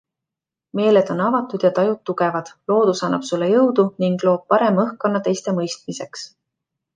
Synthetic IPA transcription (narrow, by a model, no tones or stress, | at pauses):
me̞ːled̪̥o̞nɑvɑt̪ːˑud̪̥jɑt̪ɑjut̪ːuɡe̞vɑd̪̥lo̞ːd̪̥usɑnːɑb̥sulːejɤwd̪̥uniŋɡ̥lo̞ːb̥̚pɑɾe̞mɤhko̞nːɑt̪e̞jst̪e̞mɤjst̪mise̞ks